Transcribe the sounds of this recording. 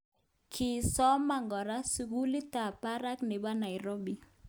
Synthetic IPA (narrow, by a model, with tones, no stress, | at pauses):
kʰɪ˨sɔ˦ma˨ŋɡɔ˨ɾa˦su˨ɡu˦li˦t̪a˨pa˦ɾa˦knɪ˨ba˦na˨ɪ˨ɾo˦bi˨